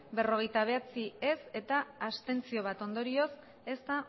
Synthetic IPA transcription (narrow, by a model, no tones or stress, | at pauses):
be̞ro̞ɣ̞e̞jt̪aβ̞e̞at͡sie̞se̞t̪aːst̪e̞nt͡sio̞β̞at̪o̞nd̪o̞ɾio̞s | e̞st̪a